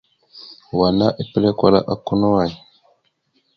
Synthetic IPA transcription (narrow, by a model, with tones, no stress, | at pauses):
wa˨na˦ʔi˨pə˦le˦kwa˦la̰˦ʔa˦ku˦nu˦wa˨